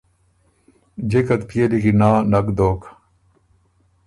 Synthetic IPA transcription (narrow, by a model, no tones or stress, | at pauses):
d͡ʑekɐt̪pʰijɐlikinaːnɐkd̪oːk